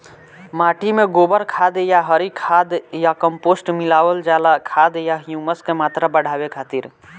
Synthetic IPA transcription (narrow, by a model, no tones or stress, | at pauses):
maːʈimẽɡoːbəɾkʰaːd̪jaɦəɾikʰaːd̪jakəmpoːsʈmɪlaːwəld͡ʒaːlakʰaːd̪jaɦjuməskemaːt̪ɾabəɽ̤ʱaːwekʰaːt̪iɾ